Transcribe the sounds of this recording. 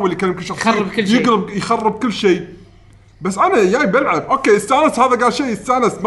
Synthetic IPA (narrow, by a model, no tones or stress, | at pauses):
wɪlːijkanːmkɪlʃɑxrˤbkɪjɪɡɾɪbjxɑrˤːɨb̚kʊlːʃiː | basːʔanajabɪlʕabʔoːkːeːʔɪst̪aːnashaːðaɡaːlʃeːʔɪst̪aːnɪsm